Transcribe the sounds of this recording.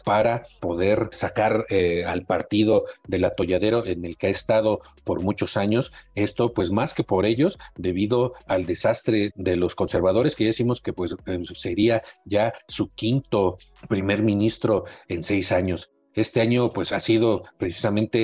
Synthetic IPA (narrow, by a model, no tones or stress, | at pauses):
paɾapo̞ðe̞ɾsakaɾealpaɾt̪iðo̞ðe̞lat̪o̞ʝaðe̞ɾo̞ʔe̞ne̞lkeaest̪að̞o̞po̞ɾmut͡ʃo̞saɲo̞se̞st̪o̞pwe̞smaske̞po̞ɾe̞ʝo̞sd̪e̞β̞iðo̞ald̪e̞sast̪ɾe̞ðe̞lo̞sko̞nse̞ɾβað̞o̞ɾe̞skeʝaðesimo̞ske̞pwe̞sese̞ɾiaʝasukint̪o̞pɾime̞ɾmĩnist̪ɾo̞e̞nse̞jsaɲo̞s | e̞st̪e̞aɲo̞pwe̞sasiðo̞pɾesi̥samẽnt̪e̞